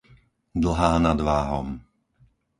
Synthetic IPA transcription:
d̪l̩ɦaːnad̪ʋaːɦɔ̰m

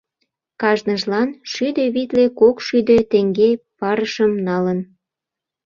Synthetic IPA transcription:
kɑʒnəʒlɑnʃyd̪eβit̪lekokʃyd̪et̪eŋɡepɑɾəʃəmnɑlən

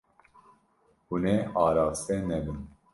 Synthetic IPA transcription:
huneːʔɑːɾɑːst̪ɛnɛbɨn

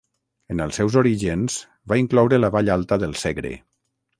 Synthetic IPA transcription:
ənəlˠsɛwzoɾiʒenz̥ | βaiŋklɔwɾələβaʎalˠt̪əðəlˠseɣɾḛ

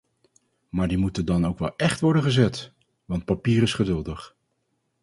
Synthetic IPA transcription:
maːɹdimutəndɑnowkʋɛ̰lˠɛχtʋɔɹdənχəzɛt | ʋɑnt̚papiːɾɪsχədɵlˠdəχ

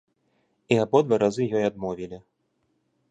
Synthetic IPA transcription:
iabɔd̪vaɾazɨjɔjad̪mɔvʲilʲi

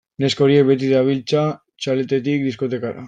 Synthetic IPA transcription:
ne̞sko̞ɾiek̚be̞t̪̬iðaβ̞ilt͡sa | t͡ʃalet̪et̪ikd̪isko̞t̪e̞kaɾa̰

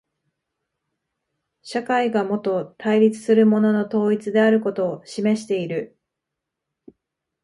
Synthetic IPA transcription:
ɕakaiɡamo̞t̪o̞t̪ʰaiɾʲit͡sɨ̥sɨɾɯ̟mo̞no̞no̞t̪o̞ːit͡sɨd̪e̞aɾɯ̟ko̞t̪o̞ːɕime̞ɕi̥t̪e̞iɾɯ̟

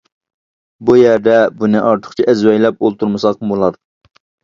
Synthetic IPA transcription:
bujæɾd̪ɛbunɨʔɑɾt̪ʰə̥χt͡ʃʰiʔæzwɛjlɛp̚olˠt̪ʰuɾmɨsɑqbolˠɑd̪

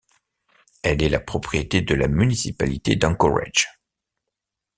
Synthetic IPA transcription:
ɛlɛlapχɔpχijet̪ed̪əlamynisipalit̪ed̪ɑ̃kɔʁa̰ʒ

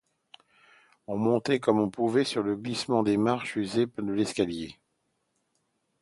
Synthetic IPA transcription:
ɔ̃mɔ̃t̪ɛkɔmɔ̃puvɛsyʁləɡlismɑ̃d̪emaʁʃyzepɛd̪əlɛskalje

